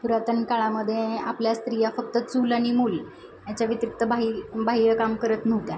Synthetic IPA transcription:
puɾat̪əɳkaɭaməd̪ʱːjeapljast̪ɾijafək̚t̪ət͡suːlaɽ̃imuːl | jat͡ɕjaʋit̪ɾik̚t̪əbʱaɦibʱaɦijəkamkəɾət̪n̤əʋt̪ja

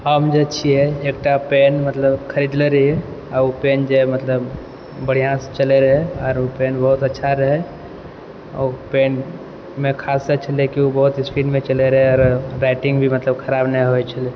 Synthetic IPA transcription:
ɦəmd͡ʒeətːt͡ʃʰiɦɛeːk̚ʈapenmət̪ləbkʰəɾid̪leɾəɦiɛɔɾopeːnd͡ʒemət̪ləb | bəɽ̤ijãse̥t͡ʃəleɾəɦɛɔːɾopenbəɦut̪ətːʃʰaɾəɦɛ | open | mekʰaːsːət͡ʃʰəlekiobəɦut̪ɪspiɖmẽt͡ʃəleɾəɦeɔːɾɾaɪʈɪ̃ŋɡbʱimət̪ləbkʰəɾabnəɦoɛt͡ʃʰəle

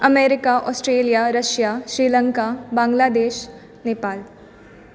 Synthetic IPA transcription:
ɐmeːɾɪkaʔɔːsʈɾeːlijaɾɐʃjaʃɾiːlə̃ŋkabãːŋɡlaːd̪eːʃ | neːpaːl

